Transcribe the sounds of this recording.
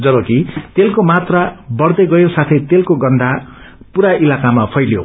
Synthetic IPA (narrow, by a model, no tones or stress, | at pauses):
d͡zʌbokit̪elkomat̪rabʌɽd̪ʌɡʌjosat̪ʰʌjt̪elkoɡʌnd̪ʱa | puɾailakamapʰʌjljo̰